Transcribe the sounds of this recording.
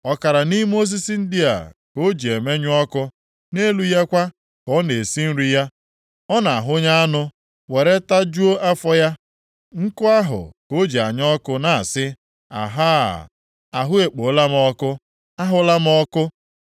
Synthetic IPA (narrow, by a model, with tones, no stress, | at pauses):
ɔ˦ka˨ɾa˨ni˦m˦o˦s̬i˦si˨n̩˦dɪ˦a̰˨ko˦d͡ʒi˨e˨me˦ɲʊ˦ɔ˦kʊ˦ | ne˦lu˦ja˦kʷa˦ | kɔ˦ne˨si˦n̩˦ɾi˦ja˦ | ɔ˦na˨a˨ɦʊ˦ɲa˦a˦nʊ˦ | we˨ɾe˦ta˦d͡ʒu˦o˦ʔa˦fɔ˦ja˦ | ŋ̩˦kʊ˦a˦ɦʊ̰˨ko˦d͡ʒi˨a˨ɲ˦ɔ˦kʊ˦na˨a˨sɪ˦ | a̰˨ɦa˦˨ | a˨ɦʊ˦e˨k͡po˨˦la˦m˦ɔ˦kʊ˦ | a˦ɦʊ˦la˦m˦ɔ˦kʊ˦